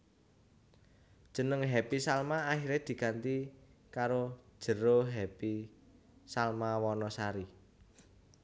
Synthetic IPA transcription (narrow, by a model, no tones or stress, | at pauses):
d̥ʒ̥ə̤nəŋɦɛpisalmaːhiɾed̪̥i̤ɡ̥a̤nt̪ikaɾo̥ʒ̥ə̤ɾoɦɛpi | salmawɔnɔsaɾi